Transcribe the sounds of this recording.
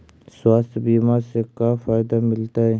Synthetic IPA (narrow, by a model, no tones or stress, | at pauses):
swaːst̪biːmaɾsekaːfaːɪd̪amɪlt̪aɦɛː